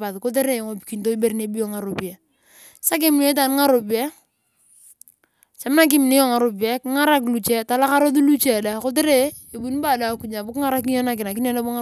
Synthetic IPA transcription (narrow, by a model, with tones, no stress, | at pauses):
pa˨ðko˦t̬e˦ɾe˦˨ŋo˨pi̥˨ki˨n˦to˦i˦be˦ɾne˨˦bi˦o˨ŋa˨ɾo˨pi˨ɛ˨ | sa˦k̬e˦m˦ne˦t̬a˨n˦ŋa˦ɾo˨pɛ˦ | t͡ʃa˨mna˦k̬ɪ˦mɪ˨ne˦jɔ˦˨ŋa˨ɾo˨p̬i˨ɛ˦kɪ˦ŋa˦ɾa˦k̬lu˨t͡ʃɛ˦ta˨˦la˦ka˦ɾo˦tu˦lu˦t͡ʃe˨da˦ko˦t̬e˦ɾeː˦˨ | bu˦n˦ba˦˨da˨˦ku˨ɲa˨bʊ˦kɪ˦ŋa˦ɾa˦ki˦jɔ˦na˦˨k̬ɪ˨na˨k̬ɪ˦n˦ɔ˦na˦bo˦ŋa˦